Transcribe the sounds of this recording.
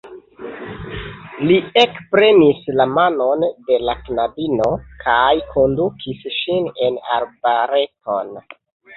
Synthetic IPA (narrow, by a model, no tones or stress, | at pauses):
liekpɾe̞nislamano̞nde̞laknabino̞kʰajkʰo̞ndukʰisʃine̞na̰ɾbaɾe̞to̞n